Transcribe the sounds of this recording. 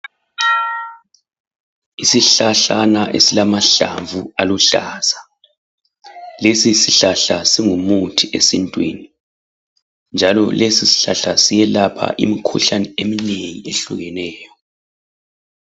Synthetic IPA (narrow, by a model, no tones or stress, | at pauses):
isiɬaɬanaʔḛsilamaɬa̰ɱvualuɬaːz̥a | lesisiɬaɬasiŋumutʰiʔesintʼwḭːni | nd͡ʒʱalɔlesisi̥ɬaɬasijɛlapʰa̰ʔḭmikʰṵɬanɛemineŋieɬuɣɛnɛːjɔ